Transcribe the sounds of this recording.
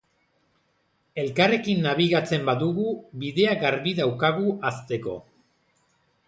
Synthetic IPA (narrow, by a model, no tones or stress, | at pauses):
e̞lkare̞kinːaβ̞iɣat͡se̞mbaðuɣuβiðe̞aɡaɾβiðawkaɣ̞uʔast̪e̞ko̞̰